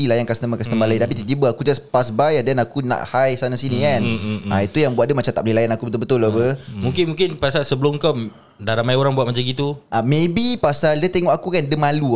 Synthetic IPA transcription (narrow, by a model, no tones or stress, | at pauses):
ilajankasnəmakasnəmalaint̪apit̪it̪ibəakud͡ʒaspasbajadɛnakuna̰ʔhajsanasinikanʔait̪ujaŋbuat̪̚dəmat͡ʃamt̪aʔb̚lelajanakubət̪ulbət̪ʊlobəmũŋkɪnmũŋkɪnpasalsəbəlʊmkəm | daɾamajoɾaŋbuat̪̚mat͡ʃamɡit̪uʔamebipasaldət̪eŋɔʔakukandəmalu